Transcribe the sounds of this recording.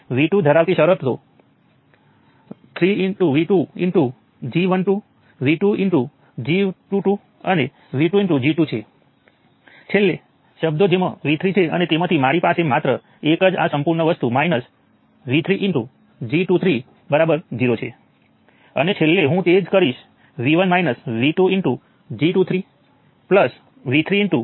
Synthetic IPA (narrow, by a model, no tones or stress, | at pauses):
ʋiʈud̪ʱəɾaʋt̪iʃəɾəp̪t̪o | t̪ʰɾiɪɳʈuʋiʈuiɳʈu | d͡ʒiʋənʈu | ʋiʈuiɳʈu | d͡ʒiʋʈuʈu | əne | ʋiʈuiɳʈud͡ʒiʈut͡ʃʰe | t͡ʃʰelːe | ʃəbd̪od͡ʒemã̰ʋit̪ʰɾit͡ʃʰeə̰net̪emãt̪ʰimaɾipasemat̪ɾə | ekəd͡ʒa̰səmpuɾɳəʋəst̪umainəs | ʋit̪ʰɾiʔɪɳʈu | d͡ʒiʈut̪ʰɾi | bəɾabəɾd͡ʒiɾot͡ʃʰḛ | ə̰net͡ʃʰelːeɦũt̪ed͡ʒkəɾiʃ | ʋiʋənmainəsʋiʈuiɳʈu | d͡ʒiʈut̪ʰɾi | pləs | ʋit̪ʰɾiiɳʈu